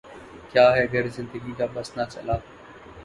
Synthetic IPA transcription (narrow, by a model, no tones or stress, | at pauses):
kjaːɦɛːəɡəɾzɪ̃nd̪əɡiːkaːɓəsnaːsə̰laː